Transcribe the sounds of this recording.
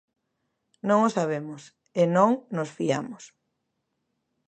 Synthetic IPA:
nõŋosaβ̞emʊs | enõŋnosfiamʊs

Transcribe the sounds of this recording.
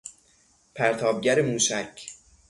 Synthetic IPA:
pʰæɾt̪ʰɒːb̚ɟæɾemuːʃæcʰ

